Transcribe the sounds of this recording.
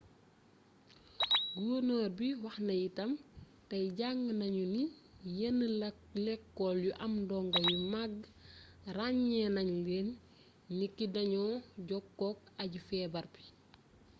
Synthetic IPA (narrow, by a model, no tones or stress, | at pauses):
ɡunoːrbiwɐxnɐjitɐm | tɐjɟaŋɡnɐɲunijɐnːə | lɛkːɔljuʔɐmdɔːŋɡɐjumaɡ | raɲːɛnɐɲleːn | nikːidɐɲɔːɟɔkːɔk̚ɐɟufɛːbɐrbi̥